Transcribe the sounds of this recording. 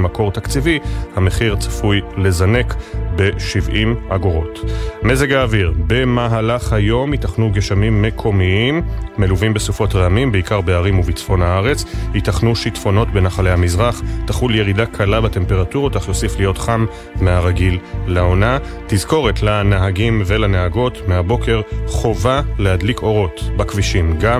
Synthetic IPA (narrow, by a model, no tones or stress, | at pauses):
mako̞ʁtakt͡sivihame̞χiʁt͡sḁfujle̞zane̞kbe̞ʃivʔimʔaɡo̞ʁo̞tme̞zeɡaːviʁbe̞maɦalaχhajo̞mitaχnuɡeʃamimːe̞kʰo̞miimːe̞luvimbesufo̞tʁeamimbeikaʁbeaʁimuvit͡sfo̞nhaaʁe̞t͡shitaχnuʃitfo̞no̞tbe̞naχalehamizʁaχtaχulje̞ʁidakʰalabate̞mpe̞ʁatuʁotaχjo̞siflijo̞tχam | meaʁaɡilːao̞na | tizko̞ʁe̞tlanaɦaɡimve̞lanaɦaɡo̞tmeabo̞ke̞ʁχo̞valehadliko̞ʁo̞tbakviʃimɡa